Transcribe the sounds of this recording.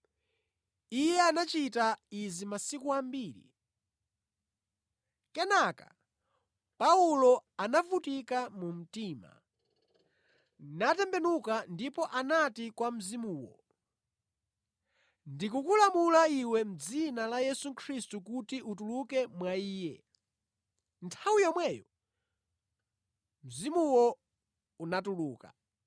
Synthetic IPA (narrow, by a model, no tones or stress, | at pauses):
ijɛanat͡ʃitaizimasikuambiːɾḭ | kɛnakḁ̰ | paulɔanavutikamum̩tiːma̰ | natɛmbɛnukandipɔʔanatikwam̩zimuːwɔ̰ | ndikukulamulaiwɛm̩d͡zinalajɛsukʰɾistukutiutulukɛmwaiːjɛ̰ | ntʰawijɔmwɛjɔ | m̩zimuwɔ | unatuluːka̰